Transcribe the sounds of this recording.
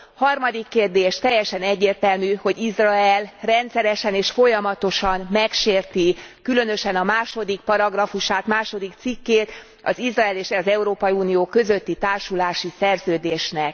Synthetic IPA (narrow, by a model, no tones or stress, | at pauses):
hɒrmɒd̪ikːeːrd̪eːʃt̪ɛjːɛʃɛnɛɟːeːrt̪ɛlmyho̞ɟizrɒɛlrɛnt̪sɛɾɛʃɛneːʃfo̞jɒmɒt̪o̞ʃɒnmɛkʃeːrt̪ikylø̞nø̞ʃɛnɒmaːʃo̞d̪ik̚pɒɾɒɡrɒfuʃaːt̪maːʃo̞d̪ikt̪sikːeːt̪ | ɒ̰zizraɛleːʃzɛuɾoːpɒjiuːnijoːkø̞zø̞t̪ːit̪aːrʃulaːʃisɛrzøːd̪eːʃnɛk̚